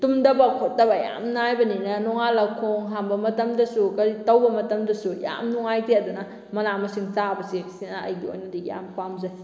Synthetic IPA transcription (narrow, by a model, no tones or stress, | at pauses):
tumdɐbɐkʰot̚dɐbɐja̰mnajbɐninɐnɔŋalɐkʰoŋɦambɐmɐtɐmdɐsukɐɾitɐwbɐmɐtɐmdɐsuja̰mnuŋajtʰeɐdunɐ | mɐnamɐsiŋsabɐsisinɐɐ̰jɡio̰jnɐdiija̰mpamzaj